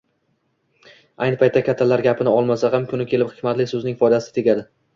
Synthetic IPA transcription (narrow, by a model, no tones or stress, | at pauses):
ajnɪpʰajt̪ːakʲʰat̪ʰːalaɾɡʲapʰɪnɪɒlˠmasahamkʰʊnɪkʲʰe̞lɪphɪ̥kʲmat̪lɪsɵznɪŋfɒd̪asɪ̥t̪ʰe̞ɡʲad̪ɪ